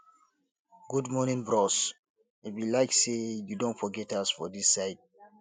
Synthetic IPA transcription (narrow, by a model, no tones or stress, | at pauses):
ɡudmɔnĩŋbɹɔs | itwilaɪksejudõntfɔɡɛtasfɔdisːaɪt̚